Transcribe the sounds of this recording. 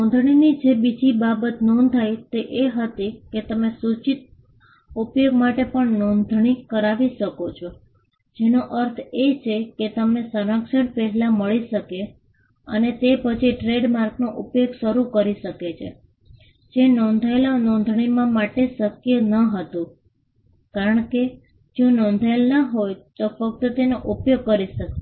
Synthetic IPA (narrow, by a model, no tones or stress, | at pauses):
ɔ̃nd̪ʱɳ̃inid͡ʒebid͡ʒibabət̪nɔnt̪ʰajt̪eʔeɦət̪iket̪əmesut͡ʃit̪̚ | upjoɡ̚maʈepəɳnɔnd̪ʱɳikəɾaʋiʃəkot͡ʃʰo | d͡ʒenoʔəɾt̪ʰet͡ʃʰeket̪əmnesəɾəkʃəɳfeɦlaməɭiʃəke | ə̰net̪epət͡ʃʰiʈɾeɖmaɾknoʔupjoɡʃəɾukəɾiʃəket͡ʃʰḛ | d͡ʒenɔnd̪ʱajlanɔ̃nd̪ʱɳimãmaʈeʃəkjənəɦət̪ũ | kaɾəɳke | d͡ʒõnɔ̃nd̪ʱajlnəɦojt̪ofək̚t̪ət̪enoʔupjoɡ̚kːəɾiʃəke